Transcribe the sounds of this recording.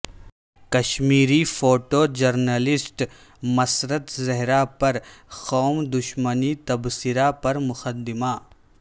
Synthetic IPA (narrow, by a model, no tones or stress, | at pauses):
kɐʃmiːɾifʰoːʈoːd͡ʒɐɾnəlɪsʈ | mɐsɾət̪zɐɦɾapɐɾxɔːmd̪ʊʃmənit̪ɐbsɪɾapɐɾmʊxəd̪ɪmaː